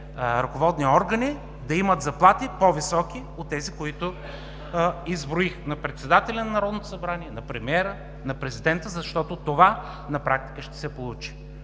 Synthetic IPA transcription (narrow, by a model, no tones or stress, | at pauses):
ɾɐkovɔd̪niɔɾɡəni | d̪ɐimət̪zɐplˠat̪ipovisɔki | ot̪ːɛzikoit̪ʊ | izbɾoixnɐpɾɛt̪sɛd̪at̪ɛlʲɐnɐnɐɾɔd̪not̪o̥sɐbɾaniɛnɐpɾɛmiɛɾə | nɐpɾɛzid̪ɛnt̪əzɐʃt̪ɔt̪ʊt̪ova | nɐpɾak̚t̪i̥kəʃt̪ɛ̥sɛpolˠut͡ʃi̥